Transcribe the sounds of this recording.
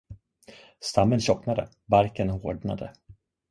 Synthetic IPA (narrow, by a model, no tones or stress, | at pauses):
st̪amːənɕɔknad̪ə̰ | baɾkənhoːɖɳa̰d̪ə̰